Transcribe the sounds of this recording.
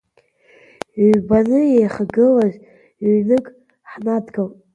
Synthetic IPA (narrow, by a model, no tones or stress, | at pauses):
ɥbanɨjejχaɡɨlaʒʷ | ɥnɨkʼ | ħnadɡal